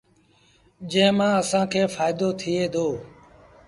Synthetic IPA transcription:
d͡ʒẽːmãːəsãːkʰeːfaːɪd̪oːt̪ʰɪeːd̪oː

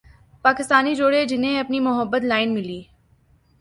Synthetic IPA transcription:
paːkɪst̪aːnid͡ʒoːɽed͡ʒɪnẽɐpnimʊɦəbːət̪laːɪnmɪliː

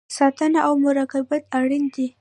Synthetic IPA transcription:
sɑt̪ənaʔawmʊɾɑkabat̪aɽind̪i

